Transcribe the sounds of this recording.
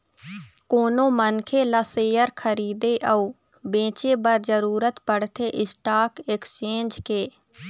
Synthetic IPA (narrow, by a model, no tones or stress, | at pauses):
koːnõːmənkʰeːləseːjəɾkʰəɾiːd̪eːʔəu | bẽːt͡ʃeːbəɾd͡ʒəɾuːɾət̪pəɽt̪ʰeʔɪsʈaːɾkekst͡ʃẽːnd͡ʒkeː